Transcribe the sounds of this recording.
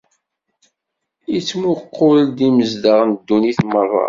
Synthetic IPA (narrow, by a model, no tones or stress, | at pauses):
it͡sːmʊqːuld̪iməzd̪əʁnd̪ːuniθmərˤːɑ̰